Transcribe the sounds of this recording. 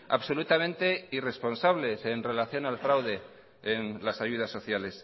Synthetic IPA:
a̰βso̞lut̪amẽnt̪e̞ire̞spo̞nsaβle̞se̞nre̞laθjo̞nalfɾawðe̞ː | nlasaʝuð̞asːo̞θjale̞s

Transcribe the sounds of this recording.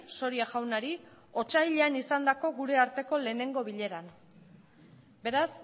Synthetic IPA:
so̞ɾiaʝawnaɾi | o̞t͡ʃajʎe̞anisand̪ako̞ɣuɾe̞aɾt̪e̞ko̞le̞ːne̞ŋɡo̞βiʎe̞ɾan | be̞ɾas

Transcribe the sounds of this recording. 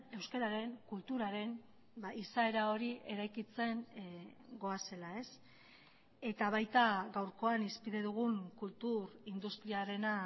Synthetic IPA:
e̞wskeɾaɾe̞ŋkult̪uɾaɾe̞n | baisae̞ɾao̞ɾiʔe̞ɾajkit͡se̞ŋ | ɡo̞ase̞lae̞s | e̞t̪aβ̞ajt̪aɡawɾko̞anispiðe̞ðuɣ̞uŋkult̪uɾind̪ust̪ɾiaɾe̞na

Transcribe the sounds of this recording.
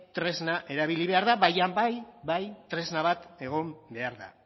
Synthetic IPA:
t̪ɾe̞znaʔe̞ɾaβiliβ̞e̞aɾðaβajambajbajt̪ɾe̞znaβat̪e̞ɣ̞o̞mbe̞aɾða̰

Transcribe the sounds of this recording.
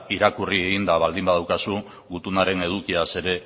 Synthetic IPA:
iɾakurie̞ɣind̪aβald̪imbaðawkasu | ɡut̪unaɾe̞ne̞ð̞ukiase̞ɾe̞

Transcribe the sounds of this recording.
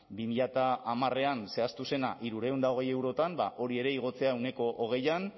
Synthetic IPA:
bimiʎat̪aːmare̞anse̞ast̪use̞na̰ʔiɾuɾe̞und̪ao̞ɣe̞jewɾot̪ambaʔo̞ɾie̞ɾe̞iɣ̞o̞t͡se̞aewne̞ko̞ʔoɣ̞e̞jan

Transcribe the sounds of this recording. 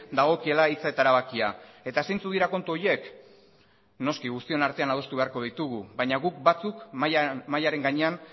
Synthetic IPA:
d̪aɣ̞o̞kie̞lait͡saet̪aeɾaβakiae̞t̪aesejnt͡suðiɾako̞nt̪uoje̞k | no̞skiɣust̪io̞naɾt̪e̞anað̞o̞st̪uβe̞aɾko̞ð̞ijt̪uɣ̞uβajɲaɣuk̚bat͡sukmajaɾe̞ŋɡaɲe̞an

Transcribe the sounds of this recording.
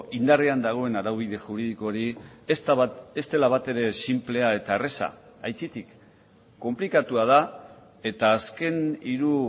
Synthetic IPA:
ind̪ariand̪aɣ̞o̞e̞naɾawβ̞iðe̞ʝuɾiðiko̞ɾiest̪est̪e̞laβat̪e̞ɾe̞simple̞ae̞t̪aeresa̰ | ajt͡sit̪ikː | o̞mplikat̪uað̞a | e̞t̪aːske̞niɾu

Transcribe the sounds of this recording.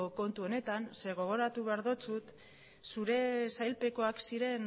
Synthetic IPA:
ko̞nt̪uo̞ne̞t̪anse̞ɣ̞o̞ɣ̞o̞ɾat̪uβeaɾðo̞t͡sut̪ | suɾe̞sajlpe̞ko̞aksiɾe̞n

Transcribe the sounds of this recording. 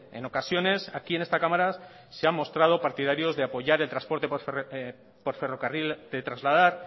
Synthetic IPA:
e̞no̞kasjo̞ne̞sakie̞ne̞st̪akamaɾa | seamːo̞st̪ɾað̞o̞paɾt̪ið̞aɾjo̞zðe̞apo̞ʝaɾe̞lt̪ɾaspo̞ɾt̪e̞ | po̞ɾfe̞ro̞karild̪̥e̞t̪ɾazlað̞aɾ

